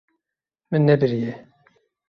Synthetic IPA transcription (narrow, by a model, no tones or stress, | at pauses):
mɨnːɛbɨɾijɛ